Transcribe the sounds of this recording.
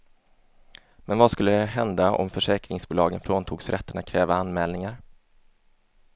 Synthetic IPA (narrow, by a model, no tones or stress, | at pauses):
mɛnvaskɵlːəd̪ɛɦɛnd̪aʔɔ̰mfœʂɛːkɾɪŋsbuːlɑːɡənfɾoːnt̪ʰuːɡsɾʔɛt̪ːəɳat̪̚kʰɾɛːvaanmɛːlnɪŋaɾ